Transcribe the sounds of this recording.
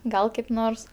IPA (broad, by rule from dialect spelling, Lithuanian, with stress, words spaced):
ˈɡɐlˠ kɐɪp ˈnoːrs